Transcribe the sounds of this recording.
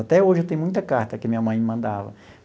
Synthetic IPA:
at̪ɛoʒɪet̪ẽj̃mũj̃t̪ɐkaɾt̪ɐkɪmĩɲɐmɐ̃j̃mɐ̃nd̪avɐ̰

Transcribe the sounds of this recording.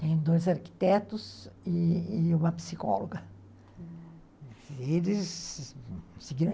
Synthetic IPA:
t̪ẽj̃d̪ojzaɾki̥t̪ɛt̪ʊsiːũmɐpi̥sikɔ̰loɡɐ | elɪs | siɡiɾ̃

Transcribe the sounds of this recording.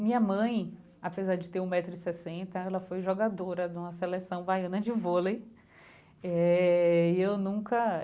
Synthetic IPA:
mĩɲɐmɐ̃j̃ | apezaɾd͡ʒɪt̪eɾũmɛt̪ɾʊɪsesẽnt̪ɐɛlɐfojʒoɡad̪oɾɐd̪ũmɐselesɐ̃w̃bajɐ̃nɐd͡ʒɪvolej | ɛ | ɪewnũkɐ

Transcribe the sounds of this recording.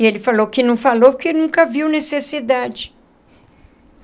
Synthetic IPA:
ɪelɪfalowkɪnɐ̃w̃falowpʊkenũkɐviwnesesid̪ad͡ʒɪ

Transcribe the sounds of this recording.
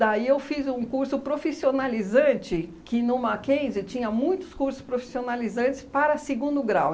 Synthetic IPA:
d̪aiewfizũkuɾsʊpɾofisionalizɐ̃t͡ʃɪkɪnʊ̃makẽd͡ʒɪt͡ʃĩɲɐmũj̃t̪ʊ̥skuɾsʊ̥spɾofi̥sionalizɐ̃nt͡ʃ̪ɪ̥spaɾɐseɡũnd̪ʊɡɾa̰w

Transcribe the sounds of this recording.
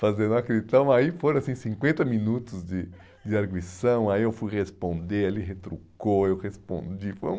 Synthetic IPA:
fazẽnd̪ũakɾit̪ɐ̃w̃aifoɾ̃asĩsĩŋkwẽnt̪ɐmĩnut̪ʊzd̪ɪ | d̪ɪaɾɡwisɐ̃w̃aiewfujʁespõnd̪eɾaliɦet̪ɾukoewʁespõ̰nd͡ʒ̪ifo̰ɾ̃

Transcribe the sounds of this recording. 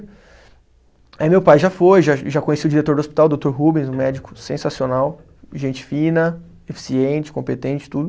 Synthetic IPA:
ɛmewpajʒafojʒaʒakõɲesiʊd͡ʒiɾet̪oɾd̪ospi̥t̪awd̪owt̪oɾɦubẽzʊ̃mɛd͡ʒɪkʊ̥sẽsasionaw | ʒẽnt͡ʃɪ̥fĩnɐ | efi̥siẽt͡ʃɪ̥kõpet̪ẽnt͡ʃɪ̥t̪ud̪ʊ

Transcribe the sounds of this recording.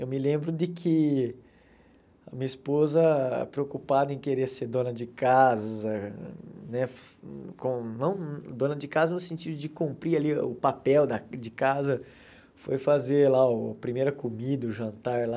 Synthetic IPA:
ewmɪlẽmbɾʊd̪ɪkʰɪ | ɐmĩɲɐispozɐ̰pɾeokupad̪ɐẽj̃keɾeɐseɾd̪õnɐd͡ʒɪkazɐɐ | nɛf | kõnɐ̃w̃d̪õnɐd͡ʒɪkazɐznʊsẽnt͡ʃid̪ʊd͡ʒɪkõmpɾialiʊpapɛwd̪ɐd͡ʒɪkazɐ | fojfazeɾlaʊɐpɾimejɾɐkomid̪ɐʊʒɐ̃nt̪aɾla

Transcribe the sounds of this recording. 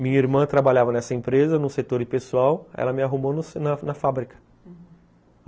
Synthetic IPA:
mĩɲɐiɾmɐ̃t̪ɾabaʎavɐnɛsɐẽpɾezɐnʊset̪oɾɪpesuawɛ̰lɐmɪaɦumonʊsnɐnɐfabɾikɐ̥

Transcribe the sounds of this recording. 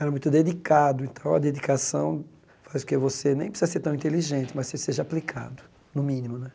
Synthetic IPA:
ɛɾɐmũj̃t̪ʊd̪ed̪ikad̪ʊẽnt̪ɐ̃w̃ɐd̪ed̪ikasɐ̃w̃ | fajzʊ̥kevosenẽj̃pisizɐseɾt̪ĩnt̪eliʒẽt̪ɪmɐsseseʒɐaplikʰa̰d̪ʊ | nʊmĩnimʊnɛ

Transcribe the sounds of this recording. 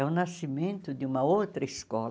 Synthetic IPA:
ɛunːasimẽnt̪ud̪iumaot̪ɾiskɔːl

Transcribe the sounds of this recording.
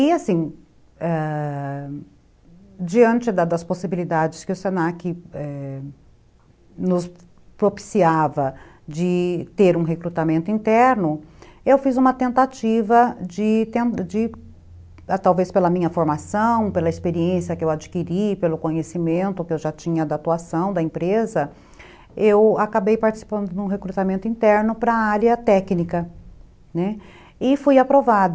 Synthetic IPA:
ɪasĩ | ɛ | d͡ʒiɐ̃nt͡ʃɪd̪ɐd̪ɐsposibilid̪ad͡ʒɪskɪʊsenakɪɛ | nʊs | pɾopi̥siavɐ | d͡ʒɪt̪eɾũɦekɾut̪amẽnt̪ʊĩnt̪ɛɾnʊewfizũmɐt̪ẽnt̪at͡ʃivɐd͡ʒɪt̪ẽd͡ʒɪ | t̪awvespelɐmĩɲɐfoɾmasɐ̃w̃pelɐɪspeɾiẽsiɐkɪewad͡ʒikiɾipelʊkõɲesimẽnt̪ʊkɪewʒat͡ʃĩɲɐd̪aːt̪uasɐ̃w̃d̪ɐẽpɾezɐ | ewakabejpaɾt͡ʃɪ̥si̥pɐ̃nd̪ʊd̪ũɦekɾut̪amẽnt̪ʊĩnt̪ɛɾnʊpɾɐaɾjɐt̪ɛknikɐ | nɛ | ɪfujapɾovad̪

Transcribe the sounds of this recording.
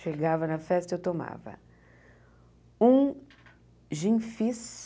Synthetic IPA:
ʃeɡavɐnɐfɛst̪ɐewt̪oma̰vɐ̰ | ũ | ʒĩfis

